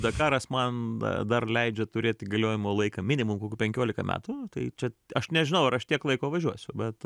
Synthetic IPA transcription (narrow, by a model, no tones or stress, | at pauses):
d̪ɐkɑːɾɐsmɐn̰d̪ɐrlʲɛɪd͡ʒʲɛt̪ʊɾʲeːt̪ʲɡɐlʲoːjɪmoːlˠɐɪkɐmʲɪnʲɪmʊmkoːkʲuːpʲɛŋʲkʲoːlʲɪkɐmʲæ̰ːt̪ʊt̪ɐɪt͡ʃʲɛɐʃnʲɛʒʲɪnɐʊɐɾɐʃt̪ʲiɛklˠɐɪkoːʋɐʒʲuɔsʲʊbʲɛt̪